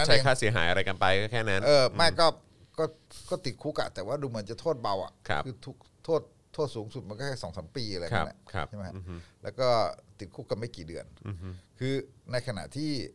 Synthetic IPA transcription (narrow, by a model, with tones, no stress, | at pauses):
a˥t͡ɕʰa˦˧kʰaː˥˩si˩˦ɦaː˨˩˦jʔa˧ɾa˧jka˧npa˧jkɔː˥˩kʰɛː˥˩na˦˥nʔɤː˧ma˥˩jkɔː˥˩ | kɔː˥˩kɔː˥˩t̪i˨˩t̪̚kʰuː˦˥˩ka̰˨˩t̪ɛː˨˩waː˥˩duː˧mɯ˩˦ənt͡ɕa˨˩t̪ʰoː˥˩t̪̚ba˧wʔa̰˨˩ʔʰkʰɯː˧t̪ʰu˦˥k̚t̪ʰːoː˥˩t̪ʰːoː˥˩t̪̚suː˩˦ŋsu˨˩t̪̚ma˧nkɔː˥˩˥sɔː˩˦ŋsa˩˦mpiː˧a˧a˧j̰na˥˩t͡ɕʰa˥˩m˦˥kʰa˥lɛ̰ː˦˥wkɔː˥˩t̪i˨˩t̪̚kʰuː˦˥˩ka˨˩nma˥˩jkiː˨˩dɯ˧ənkʰɯː˧na˧jkʰa˧na̰˨˩ʔt̪ʰiː˥˩